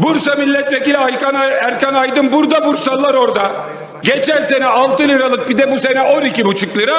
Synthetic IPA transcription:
buɾsamilʲːɛt̪ve̞cilʲajkanaæɾkanajd̪ɯmbuɾd̪abuɾsalˠːaɾo̞ɾd̪a | ɟet͡ʃʰænʲse̞nɛalˠt̪ɯlʲˠɯɾalˠɯk̚bid̪ɛbuse̞nɛʔonicibut͡ʃʰɯklˠɯɾa

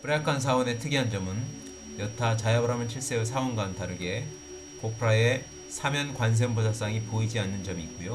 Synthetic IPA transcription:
pɯɾakʰans̬ʰawone̞tʰɯɡiɦand͡ʑʌmɯn | jʌtʰat͡ɕajabʌɾamɯnɕʰiɭs͈eɯsʰawonɡaːntʰaɾɯɡe̞ | kopʰɯɾae̞ | sʰamjʌnkwans̬ʰempus̬ʰas͈aŋipoid͡ʑianːɯnd͡ʑʌmiːk̚k͈ujo

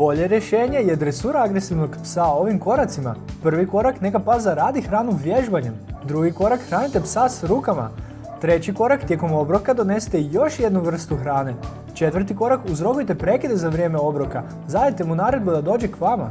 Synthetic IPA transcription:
b̥o̞ʎeɾjeʃeːɲe̞jed̪ɾesuɾaaɡɾesiʋno̞ɡpsao̞ʋimko̞ɾat̪sima̰pr̩ʋiko̞ɾakne̞kapazaɾaːd̪ixɾaːnuʋje̞ʒbaɲemd̪ɾuɡiko̞ɾakxɾaːnit̪e̞psasɾuːkama̰ | t̪ɾe̞t͡ɕiko̞ɾakt̪ʲje̞ko̞mo̞bɾo̞kad̪o̞ne̞si̥t̪e̞jo̞ʃje̞d̪nuʋr̩st̪uxɾaːne̞ | t͡ʃe̞t̪ʋr̩t̪̬iko̞ɾakuzɾo̞kujt̪e̞pɾe̞kid̪ezaʋɾje̞ːme̞o̞bɾo̞ka | zajet̪e̞munaːɾe̞d̪bud̪ad̪o̞ːd͡ʑe̞kʋama̰

